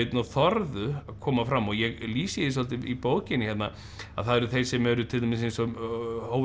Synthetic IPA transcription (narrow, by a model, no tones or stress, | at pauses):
t̪nawθɔɾðʏaðkʰɔːmafɾamːɔɣjɛɣliːsjðɪsɔlt̪ɪipoːwcɪnɪçɛt̪na | a̰ðθaðɛɾʏθejsɛmɛɾʏt̪ʰɪlt̪ʰamɪs̬ejnsɔhoːw